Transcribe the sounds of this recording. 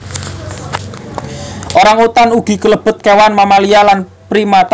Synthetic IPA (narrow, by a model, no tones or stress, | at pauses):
ʔoɾaŋut̪anuɡ̥i̤kələb̥ʊ̤t̪̚kewanmamalijalan | pɾimat̪